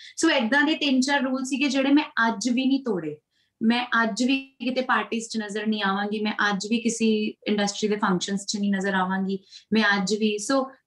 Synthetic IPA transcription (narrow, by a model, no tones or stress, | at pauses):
soːɪd̪ãːd̪eːt̪ɪːnt͡ʃaːɾːuːlsiːɡeːd͡ʒeːɽeːmɛ̃ːʔəd͡ʒʋiːnĩːt̪oːɽeː | mɛ̃ːʔəd͡ʒʋiːkɪt̪eːpaːɾʈiːst͡ʃnəzəɾnĩːaːʋãːŋɡiːmɛ̃ːʔəd͡ʒʋiːkɪsiːɪ̃ɳɖəsʈɾiːd̪eːpʰə̃ŋkʃənst͡ʃnĩːnəzəɾaːʋãːŋɡiːmɛ̃ːəd͡ʒʋiːsoː